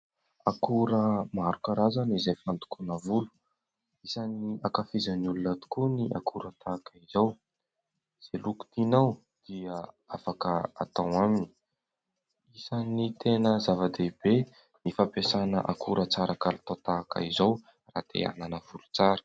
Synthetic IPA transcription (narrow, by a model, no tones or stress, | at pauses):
akuɾəmaɾukəɾazanizejfant̪u̥kunavulu̥ | isaniakafizanulunat̪u̥kuniʔa̰kʰuɾət̪ʰakəizaw | z̥eluku̥t̪inaw | d̪̥iə | afakəa̰t̪awamini | isanit̪ʰenəzavəd̪ebe | nifapesanə̰ʔakʰuɾət͡saɾʔakalit̪at̪aka̰izow | ra̰t̪ʰḛa̰nanəv̥ulu̥t͡saɾə̥